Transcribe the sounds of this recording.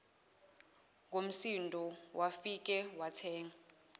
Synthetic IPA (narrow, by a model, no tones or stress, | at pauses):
ŋom̩sindʱɔwʔafik̬ʼɛwatʰɛːŋa